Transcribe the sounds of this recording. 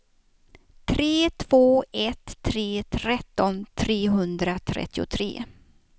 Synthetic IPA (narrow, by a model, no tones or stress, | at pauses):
t̪ʰɾeːt̪ʰv̥oːɛt̪ʰːɾeːt̪ʰɾɛt̪ːɔnt̪ʰɾeːɦɵnd̪ɾat̪ʰɾɛ̰t̪ːɪʊ̰t̪ʰɾḛː